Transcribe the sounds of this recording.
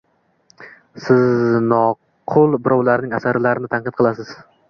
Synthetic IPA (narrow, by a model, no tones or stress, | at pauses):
sɪznɒ | qʰʊlˠbɪɾɒwlaɾnɪŋasaɾlaɾɪnɪt̪ʰanqɨt̪̚qʰɨlˠasɪz̥